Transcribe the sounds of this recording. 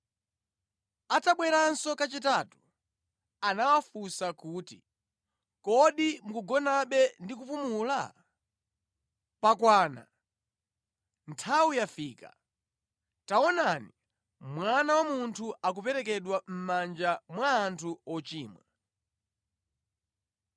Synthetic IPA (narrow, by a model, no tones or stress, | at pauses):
ataɓwɛɾansɔkat͡ʃitaːtu̥ | anawafusakuːtḭ | kɔɗimukuɡɔnaɓɛndikupumula̰ | pakwaːna̰ | ntʰawujafiːka̰ | taɔnani | mwanawamuntʰuak̬upɛɾɛk̬ɛɗwam̩mand͡ʒamwaːntʰuɔt͡ʃiːmwɛ